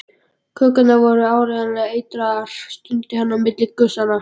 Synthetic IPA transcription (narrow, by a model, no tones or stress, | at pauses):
kʰœːkʏnavɔɾʏaːwɾɛanɪaeːjt̪ɾaɾ̥st̪ʏnt̪ɪhanːamːɪt̪lɪkʏsanːa